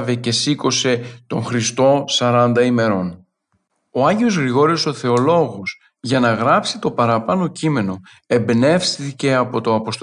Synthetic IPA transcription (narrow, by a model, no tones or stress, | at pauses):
vece̞siko̞se̞t̪o̞ŋxɾist̪o̞sɐɾɐnd̪ɐime̞ɾo̞n | o̞ɐɲɟeo̞zɣɾiɣo̞ɾio̞so̞θe̞o̞lo̞ɣos | ʝɐnɐɣɾɐpsit̪o̞pɐɾɐpɐno̞cime̞no̞ | e̞mbne̞fsθice̞ɐpo̞t̪o̞ɐpo̞st̪